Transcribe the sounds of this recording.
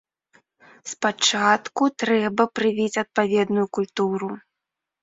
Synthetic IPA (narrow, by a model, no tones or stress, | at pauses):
spat͡ʂat̪kut̪ɾɛbɐpɾɨvʲit͡sʲɐt̪̚pavʲɛd̪nujukulʲt̪uɾu